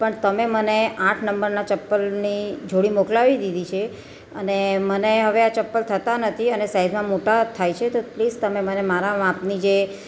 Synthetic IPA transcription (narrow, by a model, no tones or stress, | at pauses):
pəɳt̪əmeməneãʈʰnəmbəɾnat͡ʃəpːəlnid͡ʒʱoɽimoklaʋid̪id̪it͡ʃʰe | əneməneɦəʋeat͡ʃəpːəlt̪ʰət̪anət̪ʰiənesaizmãmoʈat̪ʰajt͡ʃʰet̪oplid͡ʒt̪əmemənemaɾamãpnid͡ʒe